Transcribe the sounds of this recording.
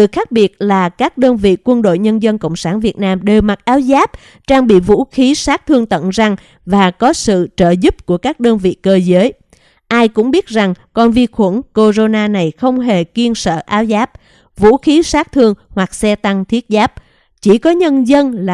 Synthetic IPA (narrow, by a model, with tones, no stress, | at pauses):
ɗɨ˨˩xaː˦˥k̚ɓi˨˩ət̚laː˨˩kaː˦˥k̚ɗəː˧nvḭ˧˨kwə˧nɗo̰˧˨jɲə˧nzə˧nkə̰˧˨wŋ͡msaː˧˩nvi˨˩ət̚naː˧mɗe˨˩wma˨˩t̚ʔaː˨˦wzaː˦˥p̚ | t͡ɕaː˧ŋɓḭ˧˨vṵ˧˥xi˨˦saː˦˥k̚t̪ʰɨ˧əŋt̪ə̰˧˨nza˧˩ŋ | vaː˨˩kɔ˨˦sɨ̰˧˨t͡ɕəː˧˩zu˦˥p̚ku˧˩əkaː˦˥k̚ɗəː˧nvḭ˧˨kəː˧zəː˨˦j | ʔaː˧jkʊ̰˧˥ŋ͡mɓi˦˥ət̚za˨˩ŋkɔ˧nvi˧xwə˧˩nko˧zo˧naː˧na˨˩jxə˧wŋ͡mɦe˨˩ki˧ənsə̰ː˧˨ʔaː˨˦wzaː˦˥p̚ | vṵ˧˥xi˨˦saː˦˥k̚t̪ʰɨ˧əŋhwa˨˩k̚sɛ˧t̪a˧ŋt̪ʰi˦˥ət̚zaː˦˥p̚ | t͡ɕi˧˩kɔ˨˦ɲə˧nzə˧nla˨